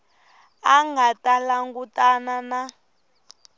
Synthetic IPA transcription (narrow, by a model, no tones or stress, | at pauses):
aŋɡatalaŋɡutʼanana